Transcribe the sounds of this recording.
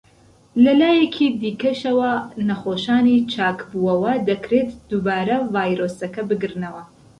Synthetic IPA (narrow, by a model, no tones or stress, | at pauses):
lɐlaːjekʰid̪iːkɐʃɐwɐnɐχoːʃaːnit͡ʃʰaːkbuːɐwɐd̪ɐkɾet̪d̪̥uːbaːɾɐvaːjɾoːsɐkɐbɨɡɨɾnɐwɐ